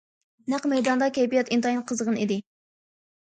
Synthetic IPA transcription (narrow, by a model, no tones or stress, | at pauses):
næqmɛjd̪ɑnd̪ɑkʲʰejpijɛt̪int̪ɑjinqʰəzʁənid̪ɪ